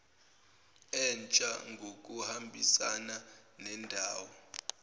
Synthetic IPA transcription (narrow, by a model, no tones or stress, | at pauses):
ɛnt͡ʃʼaŋɡʱokʼuhambʱisananɛndʱaːwɔ